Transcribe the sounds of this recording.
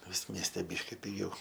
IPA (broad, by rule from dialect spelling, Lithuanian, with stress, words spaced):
ˈʋʲɪs ˈmʲiɛsʲtʲɛ ˈbʲiːʃʲkʲɪ pʲɪˈɡʲɛʊ